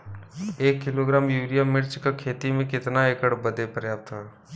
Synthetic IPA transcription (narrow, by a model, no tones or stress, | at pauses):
eːkːɪloɡɾaːmjuːɾijamɪɾt͡ʃkakʰeːt̪imẽkɪt̪naeːkəɽbəd̪epəɾjaːp̚t̪ʰaː